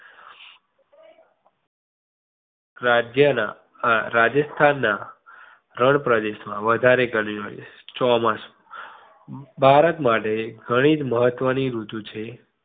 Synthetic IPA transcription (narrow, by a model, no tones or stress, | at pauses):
ɾad͡ʒjəna | ɾad͡ʒəst̪ʰanːa | ɾəɳpɾəd̪eʃmãʋəd̪ʱaɾeɡəɳio̰j | t͡ʃɔmãs | bʱaɾət̪maʈeɡʱəɽ̃id͡ʒməɦət̪ʋəniɾut̪ũt͡ʃʰe